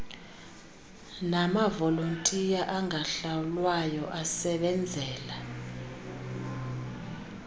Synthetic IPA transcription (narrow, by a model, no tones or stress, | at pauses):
namavɔlontʼijaʔaŋʱaɬawulwajɔʔasɛɓɛnd͡zʱɛːla